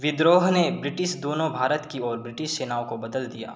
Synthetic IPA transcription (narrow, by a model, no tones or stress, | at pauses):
ʋɪd̪ɾoːɦnebɾɪʈɪʃd̪oːnõbʱaːɾət̪kiɔːɾbɾɪʈɪʃseːnaːõkobɐd̪əld̪ija̰ː